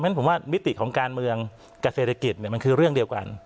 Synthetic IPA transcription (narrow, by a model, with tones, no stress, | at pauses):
mɛ˦˥npʰo˩˦waː˥˩mi˦˥t̪i˨˩kʰɔː˩˦ŋkaː˧nmɯ˧əŋ | ka˨˩se˨˩t̪ʰa˧ki˨˩t̪̚ni˨˩əma˧nkʰɯː˧ɾɯ˥˩əŋdi˧əwka̰˧n